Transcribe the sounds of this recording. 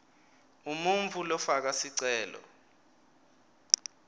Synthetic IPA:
umuɱvulɔfak̬asiǀɛːlɔ̰

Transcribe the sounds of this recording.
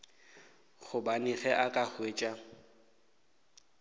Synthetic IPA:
χʊbanɪχɛʔakʼaχweːt͡ʃʼa

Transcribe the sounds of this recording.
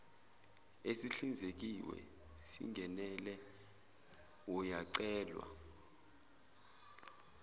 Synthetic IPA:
esiɬind͡zʱek̬iwɛ̰ | sḭŋɡʱɛnɛlɛ | ɔjaǀɛːlwa̰

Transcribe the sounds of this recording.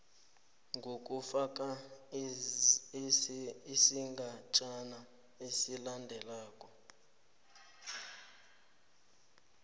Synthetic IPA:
ŋɡʱokʼufak̬ʼa | isiŋɡʱat͡ʃʼana | esilandʱɛlaːkʼɔ

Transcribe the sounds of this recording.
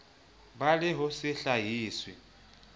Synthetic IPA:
balɪɦʊsɪɬaɦiːswɪ

